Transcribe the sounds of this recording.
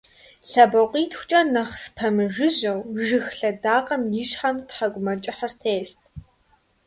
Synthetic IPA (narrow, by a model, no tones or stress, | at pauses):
ɬɐbɐqʷiːtʰxʷt͡ʃʼɐnɐχspʰɐmɨʒɨʑɐwʒɨxɬɐdaːqʼɐmjɪɕħamtħaɡʷʼʊmɐt͡ʃʼɪħɐrtʰeːstʰ